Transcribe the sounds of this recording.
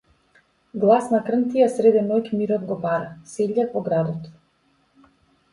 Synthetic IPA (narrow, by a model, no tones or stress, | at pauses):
ɡlˠasnakr̩nt̪ijasɾɛd̪ɛnɔjcmiɾɔd̪ɡɔbaɾasɛʎʲːakvɔɡɾad̪ɔt̪